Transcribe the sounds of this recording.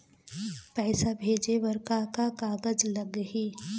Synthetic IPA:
pɛːsabʱeːd͡ʒeʋɐɾkakakaːɡəd͡ʒlɐɡɦiː

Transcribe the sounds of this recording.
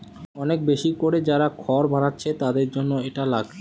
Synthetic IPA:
ɔnek̚beʃikoɾed͡ʑaɾakʰɔɾbanatːɕʰet̪ad̪eɾd͡ʑonːoeʈalaɡ

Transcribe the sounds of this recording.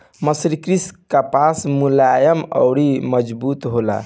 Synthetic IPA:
məsiɾkɾiskapasmulajəmə̰ʊɽiməd͡ʒbut̪ɦola̰

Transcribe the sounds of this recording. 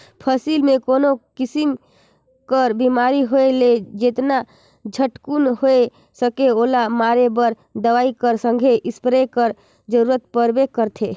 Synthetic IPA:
pʰəsilmekoːnokisim | kəɾbimaɾiɦoeled͡ʒet̪na | d͡ʒʱəʈkunɦoe | səkeoːlamaɾebəɾ | d̪əʋaikəɾsə̃ŋɡʱeʔɪspɾekəɾ | d͡ʒəɾuɾət̪̚pəɾbekəɾt̪ʰe

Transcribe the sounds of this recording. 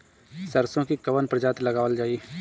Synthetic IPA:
sɐɾsõkikɐʋənpɾɐd͡ʒaːt̪lɐɡaːʋəld͡ʒaːiː

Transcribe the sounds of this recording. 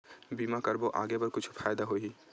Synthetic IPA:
biːmakɐɾboʔa̰ːɡebɐɾkʊt͡ʃʰfaːjd̪aɦoiː

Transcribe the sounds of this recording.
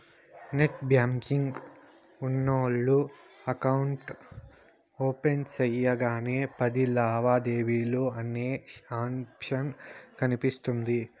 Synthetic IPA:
neʈbjaːmkiŋɡ | unːɐɭːuɐkɐuɳʈ | oːpe̞nt͡ʃɐjːɐɡaːneːpɐd̪ilaːʋaːd̪e̞ːʋiːloːɐnːeːʂaːmpʂɐnkɐnipist̪und̪i

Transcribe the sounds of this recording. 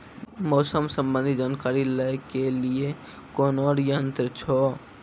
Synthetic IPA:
mɔsəmsə̃mbə̃nd̪ʱid͡ʒaːnkaɾiləekelie | kɔnɔɾjənt̪ɾət͡ʃʰɔ

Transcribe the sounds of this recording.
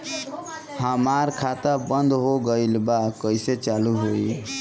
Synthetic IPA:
həmaɾkʰat̪əbənd̪ɦoɡəilbakəiset͡ʃaluɦoi

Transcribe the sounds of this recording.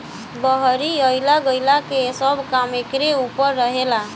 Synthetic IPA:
bəɦɾiəɪlaɡəjlakesəbkamekɾeupəɾːəɦela

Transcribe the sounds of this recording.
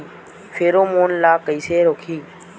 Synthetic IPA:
fʰeːɾoːmoːnlaːkəiːseːɾoːkʰiː

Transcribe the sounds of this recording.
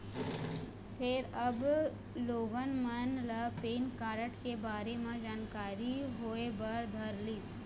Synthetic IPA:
pʰɪɾɐb | loːɡənmənləpeːnkaːɾəʈkebaːɾemẽd͡ʒaːnkaːɾiɦoːebəɾd̪ʱəɾliːs

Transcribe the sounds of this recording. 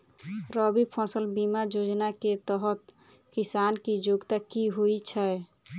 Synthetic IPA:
ɾɔbipʰɔ̃səlbimad͡ʒod͡ʒnaket̪əɦət̪ | kisankid͡ʒoɡt̪akiɦoit͡ʃʰɛ

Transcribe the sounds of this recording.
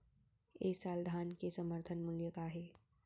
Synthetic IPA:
eːsaːld̪ʱaːnkesəməɾt̪ʰənmʊljəkaɦeː

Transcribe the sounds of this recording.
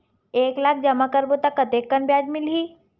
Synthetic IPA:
eːklaːk̚ʰd͡ʒɐmakəɾbot̪akːət̪ekːəɳbjad͡ʒmilɦiː

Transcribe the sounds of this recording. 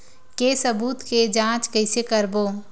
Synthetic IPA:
kesəbuːt̪ked͡ʒãːt͡ʃkəɪsekəɾboː

